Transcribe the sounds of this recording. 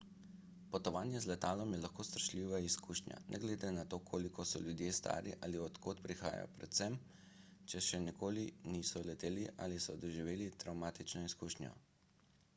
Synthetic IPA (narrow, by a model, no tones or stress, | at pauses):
pɔt̪ɔʋaːnjɛzlɛt̪aːlɔmjɛlaxkoːst̪ɾʃliːʋaiskuːʃnja̰nʔɛ̰ɡleːd̪enat̪oːkʰoːlikʰɔsɔljud̪jest̪a̰ːɾiʔaːliɔt̪koːt̪pɾixa̰ːja̰pɾɛt̪sɛm | t͡ʃɛʃɛnɛkoːlinisɔlɛt̪eːliʔa̰ːlisɔd̪ɔʒiʋeːlit̪ɾawmaːt̪it͡ʃnɔiskuːʃnjɔ̰